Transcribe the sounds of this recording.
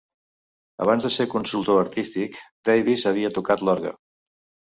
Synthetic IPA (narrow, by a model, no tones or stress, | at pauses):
ə̰β̞anzðəsekunsulˠt̪oəɾt̪ist̪ikd̪ejβisəβ̞iət̪ukat̪lɔɾɣə̰